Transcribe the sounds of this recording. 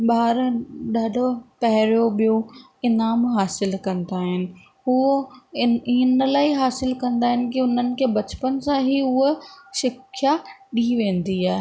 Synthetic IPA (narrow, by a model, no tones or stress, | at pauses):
ɓaːɾɗaːɖʱopɐɦɪɾjoɓijo | ɪnaːmɦaːsɪlkɐ̃nd̪aːɦɪnɪ̆ | ʊo | inəlaːiɦaːsɪlkɐ̃nd̪aːɦɪnɪ̆kiʊn̤ənɪ̆kʰeːbɐt͡ɕpən̆sãɦiʊɦʃɪkʰjaɗiʋẽːnd̪iaːɦe